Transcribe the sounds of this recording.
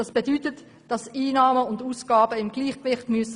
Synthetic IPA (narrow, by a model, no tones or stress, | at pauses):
ɑsb̥edytət | d̥ɑsiːnɑːməʊnduːsɡ̥ɑːbəɪmɡ̥liːχkvɪχtmyəs